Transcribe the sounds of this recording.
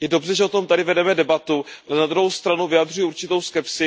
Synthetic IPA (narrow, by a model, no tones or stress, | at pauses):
jɛdo̞br̝ɛʒɛʔo̞t̪o̞mt̪adɪvɛdɛmɛdɛbat̪ualɛnad̪ɾuɦowst̪ɾanuvɪad̪r̝ujɛuɾt͡ʃɪt̪o̞wskɛpsɪ